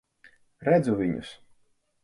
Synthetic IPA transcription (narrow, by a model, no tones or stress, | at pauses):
ɾæd̪zuvʲiɲʊ̰s